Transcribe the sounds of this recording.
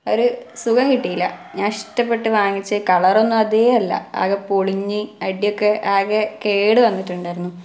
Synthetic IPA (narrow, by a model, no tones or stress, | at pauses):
oɾusuɣɐmkiʈːijilːɐ̰ɲɐʂʈɐpːe̞ʈːɨʋaːŋːit͡ɕːɨkɐɭɐro̞nːumɐðejɐlːɐ̰a̰ːɣɐpoɭiɲːɨɐɽijo̞kːeʔaːɣɐkeːɽɨʋɐnːiʈːuɳɖaːjiɾunːu